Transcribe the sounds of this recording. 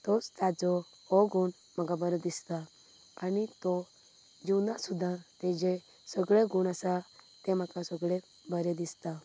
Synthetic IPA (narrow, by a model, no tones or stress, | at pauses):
t̪ost̪ad͡zo | oɡuɳ | makabəɾed̪ist̪a | anit̪o | d͡ʒunasud̪ʱãt̪ẽd͡ʒe | sɔɡɭeɡuɳasat̪emakasəɡɭe | bəɾed̪ist̪a